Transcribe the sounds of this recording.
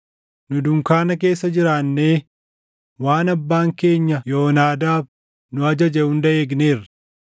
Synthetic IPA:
nʊd̪ʊŋkaːnɐk̬e̞ːsːɐd͡ʒɪɾaːnːe̞ː | waːnɐbːaːŋke̞ːɲːɐjo̞ːnaːd̪aːb | nʊɐd͡ʒɐd͡ʒɛʊnd̪ɐeːɡneːrːɐ̥

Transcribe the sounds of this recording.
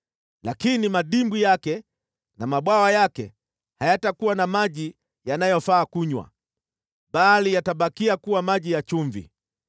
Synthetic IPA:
lakinimaɗimbijakɛ | namaɓwawajakɛ̰ | hajatakuwanamaʄi | janajɔfaːkuɲwa̰ | ɓalijataɓakiakuwamaʄijat͡ʃuɱvḭ

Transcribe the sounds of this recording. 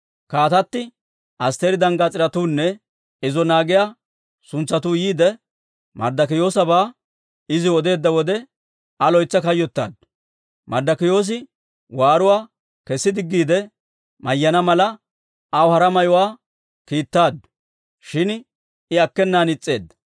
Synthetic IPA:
kaːt̪ɐt̪ːɪ | ʔɐst̪eɾɪd̪ɐŋɡɐt͡sʼɪɾɐt̪uːnːɛ | ɪzɔnaːɡɪjaː | sʊnt͡sːɐt̪uːjiːd̪ɛ | mɐ̰ɾd̪ɐkɪjo̞ːsɐbaː | ɪzɪɔd̪e̞ːd̪ːɐwɔd̪ɛ | ɐlɔjt͡sːɐkɐjːɔt̪ːa̰ːd̪̚ | mɐɾd̪ɐkɪjo̞ːs̬ɪ | waːɾʊwaː | kɛsːɪd̪ɪɡːiːd̪ɛ | mɐjːɐnɐmɐlɐ | ɐwhɐɾɐmɐjʊwaː | kiːt̪ːaːd̪ | ʃɪn | ɪɐkːɛnːaːnɪt͡sʼːe̞ːd̪ɐ

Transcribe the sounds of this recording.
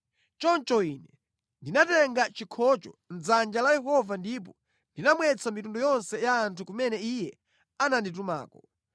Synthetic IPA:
t͡ʃɔnt͡ʃɔinɛ | ndinatɛŋɡat͡ʃikʰɔt͡ʃɔ̰n̩zand͡ʒalajɛɦɔvandip̬ɔ | ndinamwɛt͡sʰamitundɔjɔnsɛjaːntʰukumɛnɛijɛ | anandit̬uma̰ːkɔ

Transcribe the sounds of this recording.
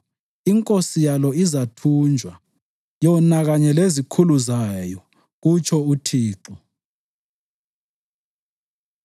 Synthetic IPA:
iŋkʼosijalɔizatʰund͡ʒʱwa | jɔnaɣaɲɛlezikʰuluzajɔ | ɣut͡ʃʰɔutʰiːǀɔ

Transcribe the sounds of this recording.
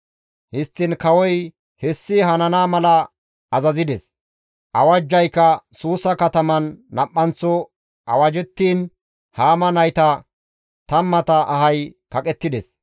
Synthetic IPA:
hɪst̪ːɪnkɐwɔj | hɛsːɪɦɐnɐnaːmɐlɐ | ɐzɐzɪd̪ɛs | ʔɐwɐd͡ʒːɐjkːɐsuːsɐkɐt̪ɐmɐnːɐpʼːɐnt͡sːɔ | ʔɐwɐd͡ʒɛt̪ːiːn | haːmɐnɐjt̪ɐ | t̪ɐmːɐt̪ɐʔɐɦɐjkɐkʼɛt̪ːɪd̪ɛs

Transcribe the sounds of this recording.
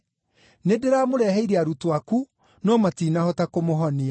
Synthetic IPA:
nedeɾamoɾɛɦɛiɾeaɾutoaku | nɔmatiːnahɔtakomoɦɔnia

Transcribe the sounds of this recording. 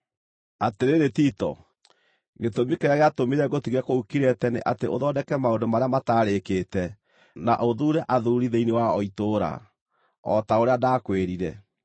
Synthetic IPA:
ateɾeɾetitɔ̰ | ɡetomikeɾaɣeatomiɾɛɣotiɣɛkoukiɾɛtɛneʔateʔo̰ðɔdɛkɛmaondomaɾeamataɾeketɛ | naʔoðuɾɛʔaðuɾiðeinewaɔitoːɾa̰ | ɔ̰taoɾeadakweɾiɾɛ

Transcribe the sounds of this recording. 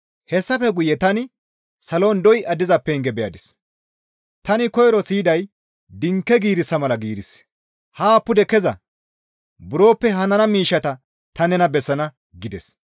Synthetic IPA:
hɛsːɐfɛɡʊjɛt̪ɐnɪ | sɐlo̞ːnd̪ɔjʔɐd̪ɪzɐpːɛːŋɡɛbɛjɐd̪ɪs | t̪ɐnɪkɔjɾɔsiːd̪ɐj | d̪ɪŋkːɛɡiːɾɪsːɐmɐlɐɡiːɾɪs | haːpːʊd̪ɛkɛzɐ | bʊɾo̞ːpːɛɦɐnɐnɐmiːʃːɐt̪ɐ | t̪ɐnɛnɐbɛsːɐnɐ | ɡɪd̪ɛs

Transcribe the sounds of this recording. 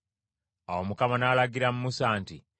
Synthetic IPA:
awomukamanalaɡiɾamumusaːnti

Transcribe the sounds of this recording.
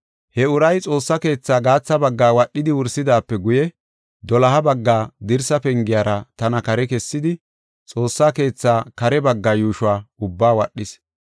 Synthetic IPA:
hɛʊɾɐjt͡sʼo̞ːsːɐke̞ːt͡sːaːɡaːt͡sːɐbɐɡːaːwɐɗːɪd̪ɪwʊɾsɪd̪aːpːɛɡʊjɛ | d̪ɔlɐɦɐbɐɡːaːd̪ɪɾsɐpɛŋɡɪjaːɾɐt̪ɐnɐkɐɾɛkɛsːɪd̪ɪ | t͡sʼo̞ːsːaːke̞ːt͡sːaːkɐɾɛbɐɡːaːjuːʃʊaːʊbːaːwɐɗːɪs

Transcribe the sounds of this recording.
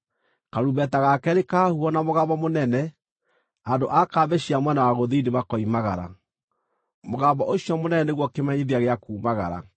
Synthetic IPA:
kaɾubɛtaɣakɛɾekahuɔnamoɣaβɔmonɛnɛ | ando̰ʔakaːbɛɕiamwɛnawaɣoðideβakɔimaɣaɾa̰ | moɣabɔʔoiɔmonɛnɛneɣwɔkemaɲeðiaɣeakuːmaɣa̰ɾa̰

